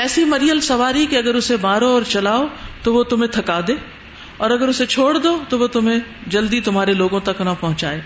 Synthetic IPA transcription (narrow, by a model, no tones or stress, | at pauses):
ɛːsimɐɾijəlsɐʋaːɾikiɐɡəɾʊsebaːɾoɔːɾt͡ʃɐlaːot̪oʋot̪ʊm̤ẽt̪ʰɐkaːd̪eː | ɔːɾɐɡəɾʊset͡ʃʰoːɽd̪ot̪oʋot̪ʊmɦẽd͡ʒɐld̪it̪ʊmɦaːɾeloːɡõt̪ɐknapɐɦʊ̃t͡ʃa̰ːeː